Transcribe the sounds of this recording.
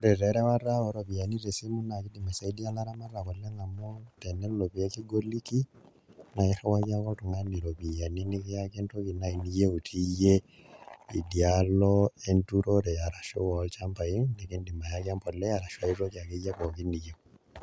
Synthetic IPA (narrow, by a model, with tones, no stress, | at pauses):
ɾɛ˨ɾɛ˨ɾɛ˦wa˦ra˦ɔ˨ɾɔ˨βi˨ja˨ni˦ɾe˨si˦mu˦na˨ki˦di˨ma˨sa˨idia˦la˦ɾa˦ma˦ra˨kɔ˨lɛ˦ŋa˨mɔ˦tɛnɛ˦lɔ˨pi˨ɛ˦ki˦ɡo˦liki˦ | na˨ɛ˦ɾa˦wa˦ja˦kɔ˦tu˨ŋa˦ni˨ɾɔ˨pi˨ja˨ni˦ni˦kɛa˦kɛ˦nto˦ki˨na˨i˨ni˦je˦u˨tʰi˦jɛ | idjalɔɛntuɾɔɾɛ˨ja˨ɾa˨ʃɔ˦walt͡ʃampa˨i˦nɛ˨ki˦ndi˨ma˨jakampɔ˨lɛ˦ja˨ɾa˨ʃwa˦iro˦kia˨kɛja˦kɔki˦nijek